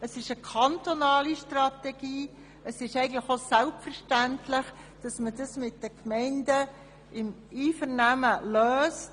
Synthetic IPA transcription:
əsɪʃəkʰɑntonɑːliʃtrɑtɛɡ̥iː | əsɪʃɛɪɡən̩ləχosælpfəɾʃtæntlɪχ | d̥ɑsmədɑsmɪt̚d̥əkmɛɪndə | ɪm | iːfəɾnæməløːst

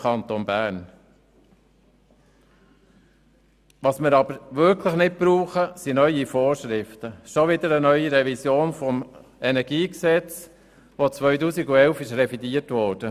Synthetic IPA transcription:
ɑnt̪onbæːɾn | ʋɑsmɪɾɑb̥əɾʋʏɾkʰləχnɪt̚pɾuːχəsinœʏifoːɾʃɾɪft̪əʃɔʋɪd̪əɾənœʏiɾɛvisjoːnfɔm | ɛnæɾɡ̥iːksɛt͡s | ʋot͡sʋœɥtuːsiɡuɛlfɪʃɾɛfidiətʋɔːɾd̥ə

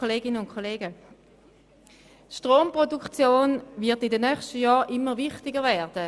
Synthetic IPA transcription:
oleːɡɪnəʊnkʰoleːɡə | tʃtʁoːmpʁodukt͡sjoːnvɪɐtɪdənœχʃtəjɑːʁʔɪmːəvɪχtɪɡəvɛːd̥ə

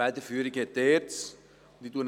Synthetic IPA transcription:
ɛt̪əfyəɾikət̪ert̪s | d̪it̪uən

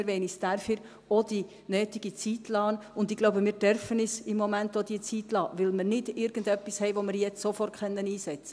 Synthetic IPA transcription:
ɾʋɛɪnisd̥æɾfiɾ | od̥̪i | nøːtiɡ̥it͡sitlɑːnʊndɪɡ̥loʊbəmɪːɾd̥œɾfənisɪmːɔmæntod̥̪iət͡sit̪lɑ̰ːʋɪlməɾnɪd̥ɪɾɡ̥əndœpːishɛɪʋomɪɾjɛt͡ssofɔrtχœnːəniːsɛt͡sə

